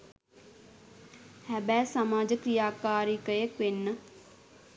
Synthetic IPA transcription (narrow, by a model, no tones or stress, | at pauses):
hɛbɛːsəmaːd͡ʒəkɾijaːkaːɾiːkəeːkʋɪnə